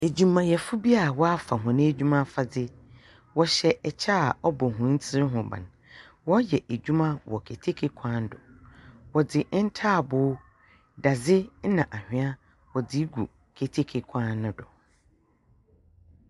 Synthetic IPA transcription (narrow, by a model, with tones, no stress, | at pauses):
e˨d͡ʑᶣũ˨mːã˨jɛ˨fʊ˦bi˦a˨wɔ˦a˦fa˨ɦʊ̃˨nɪ̃˦æ˦d͡ʑᶣu˦mã˦fa˨dɪ˦ | wɔ˦ɕɛ˨ɛ˨t͡ɕʰa˦a˨ɔ˦bɔ˨ɦʊ̃˨˦n̩˦t͡sʰɪ˦ɾɪ˦ɦʊ̃˨bã̰˨n | wɔ˦jɛ˨ʔæ˨d͡ʑᶣu˦mã˦wɔ˨kʰe˨tʰe˦kʰe˦kʷʰã˦n˦dɔ̰˨wɔ˨dɪ˨˦n̩˦tʰaː˦˨bʊː˦ | da˨d͡zɪ˦n̩˦nã˨ʔa˨hᶣɪ̃˦a˦ | wɔ˨dɪ˦ɡṵ˨ | kʰe˨tʰe˦kʰe˦kʷʰã˦nː˦ʊ̃˦dɔ˨